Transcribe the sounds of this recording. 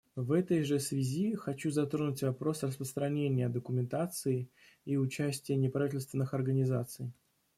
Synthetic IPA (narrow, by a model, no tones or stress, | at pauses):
vɛt̪əjʐɨsvʲɪzʲixɐt͡ɕuzɐt̪ɾonʊtʲvɐpɾo̞srəspɾəst̪ɾɐnʲenʲɪjəd̪əkʊmʲɪnt̪at̪sɨɪ | iʊt͡ɕæsʲtʲɪjənʲɪpɾɐvʲitʲɪlʲst̪vʲɪnːɨxɐrɡənʲɪzat̪sɨj